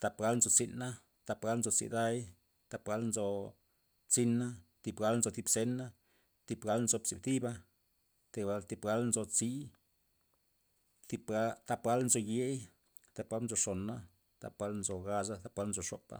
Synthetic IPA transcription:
t̪a˧pɡa˧˦lnzo˧t͡si˧na˦ | t̪a˧pɡa˦lnzo˧t͡sḭ˧d̪a˦j | t̪a˧pɡa˦lnzo˧ | t͡si˧na˦t̪i˧˨bɡa˧˦lnzo˧t̪i˧bse˧˦na˦ | t̪i˧bɡa˦lnzo˧bt͡si˧b̚t̪i˦ba˧ | t̪i˧a˧lt̪i˧bɡa˦lnzo˧t͡si˦ | t̪i˧bɡa˦t̪a˧pɡa˦lnzo˧je˦j | t̪a˧pɡa˦lnzo˧ʂo˨nːa˦ | t̪a̰˨pɡa˦lnzo˧ɡa˧sa˦t̪a˧˦pɡa˦lnzo˧ʂo̰˨pa̰˦

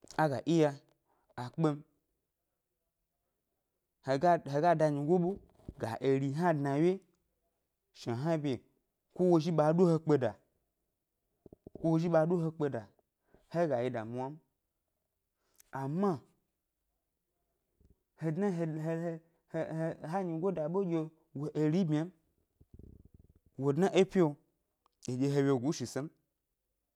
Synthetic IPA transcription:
a˦ɡa̰˨ʔi˦ja˧ | a˨k͡pe˧m̩˦ | he˨ɡa˦ɦe˧ɡa˦da˧ɲi˨ɡʷo˦ɓo˦ | ɡa̰˨ʔe˨ɾi˨ɦa˦dna˨wje˦ | ʃa˨ɦa˦bʲe˨ | kʷo˦wo˧ʒi˦ɓaː˧˦do˦he˧k͡pe˧da˨ | kʷo˦wo˧ʒi˦ɓa˧˦do˦ɦe˧k͡pe˧da˨ | he˦ɡa˨ji˧da˨mu˦a˦m˦ | a˨ma˦ | he˨dna˦e˨e˦˨˦ | ɦa˦ɲi˧ɡʷo˦da˨ɓo˦ɡʲe˧ | wo˨ʔe˧ɾi˦bʲa˦m | wo˨dna˦ʔe˦pʲi˦o˧ | e˨d͡ʒʲe˨˧ɦe˧wʲe˧˨ɡʷu˨˦ʃi˨se˦m˦

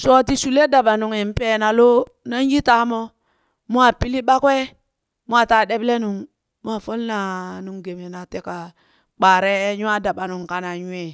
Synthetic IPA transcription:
so˦ti˨su˨le˦da˨ɓa˨nu˨ŋe˨m˦pe˦na˨lo˦ | na˦n˦ji˦ta˦mo˦ | mu˦a˨pi˦li˦ɓa˦ke˦ | mu˦a˦˨ta˨ɗe˦ble˦nu˨ŋ | m˦a˨fo˦lna˨nu˨ŋɡe˨me˨na˨te˦ka˨ | k͡pa˨ɾe˦ɲu˦a˦da˨ɓa˨nu˨ŋka˨na˨ɲu˦e˨

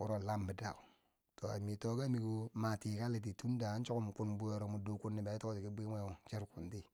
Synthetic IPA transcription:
u˦ɾo˦˨la˦mbi˨da̰˨u˨ | to˨a̰˨mi˨to˨ka˦mi˨ku˦ma˨ti˨ka˦li˨t̬i˨tu˦n˦da˨a˦n˦t͡ʃo˦ku˦m˨ku˦nbu˦jo˨ɾo˨mu˨do˨ku˦nːi˨ba˨˦i˦to˦ko˦˨ti˨ki˦bi˦me˦˨t͡ʃi˦ɾku˨nti˦

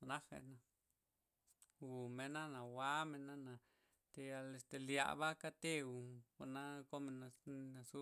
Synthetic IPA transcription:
na˦xḛ˧na˧ | u˨me˧na˦na˨wa˦me˧na˦na˨ | t̪e˧ja˧le˧st̪e˧lja̰˧˨βa˦ka˦t̪e˦u˨ka˧na˦ko˦me˧na˧na˨su˦

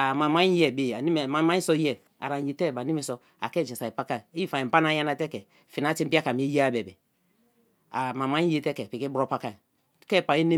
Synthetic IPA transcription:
a˨ma˨ma˦ɲi˦jɛ˦˨be˨a˨ni˦m˨ma˨˦ma˦i˦sɔ˦jɛ˨ | a̰˨ɾa˨je˨tɛ˦˨ba˨ni˦mi˨˦sɔ˦ | a̰˨kɛ˦˨d͡ʒi˨sa˨i˨pa˦ka˦˨e˦i˦˨fa˨i˨m˨pa˦na˦ja˦na˦tɛ˦kɛ˨ | fi˨na˨˦ti˦pi˦a˦ka˨m˨˦e˦ji˦a˦˨bɛ˨bɛ˨ | a˨ma˨ma˦i˦je˦tɛ˦kɛ˨pi˨ki˦bɾo˦pa˦ka˦˨ | kɛ˦˨pa˨je˦ne˦

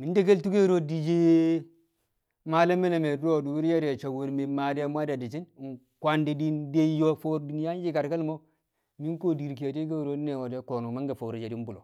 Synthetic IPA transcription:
mi˨n˦de˦ke˦ltu˦ke˦ɾo˦di˨d͡ʒe˦ | ma˨le˦me˦le˨me˨do˦˨du˨wu˦ɾje˦ɾe˨t͡ʃa˨wu˨ɾme˨ma˨de˦mʷ˦a˦da˨di˨t͡ʃi˦n˨ŋ˨ | kʷa˨nde˨di˦nde˦jo˦fo˦ɾdu˨ni˦ja˦d͡ʒi˦ka˨ɾka˦lmo˦ | mi˦nko˦di˨ɾki˨ja˨de˦k̬e˦˨ɾo˦ne˨wo˨de˨˦ko˨nu˨ma˦ŋɡa˨fo˨ɾi˨d͡ʒe˨di˦m˦bu˨lo̰˨

